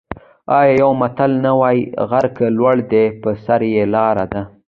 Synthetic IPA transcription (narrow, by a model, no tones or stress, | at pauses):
ɑjɑjawmat̪alnawɑjɣaɾkəlwaɽd̪epəsaɾjelɑɾad̪a